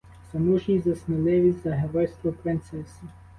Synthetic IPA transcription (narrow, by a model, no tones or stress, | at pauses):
sɐnuʒʲizɐsnɪlˠɪʋʲizʲzɐɦeʋɔjst̪ʋɔpɾɪnt̪sɛsʲi